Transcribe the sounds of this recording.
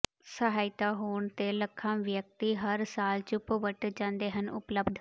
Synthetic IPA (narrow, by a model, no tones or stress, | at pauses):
səɦaːɪt̪aːɦoːɳt̪eːləkʰːãːʋjək̚t̪iːɦəɾsaːlt͡ʃʊpʋəʈd͡ʒãːnd̪eːɦənʊ̰pləbd̪ʱ